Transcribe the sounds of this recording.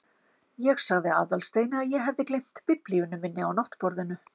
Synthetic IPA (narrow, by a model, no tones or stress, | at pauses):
jɛɣsaɣðɪa̰ːðalst̪eːjnɪaðjɛɦɛvðɪklejm̥t̪pɪpliʏnʏmɪnːɪawnɔht̪pɔɾðɪnʏ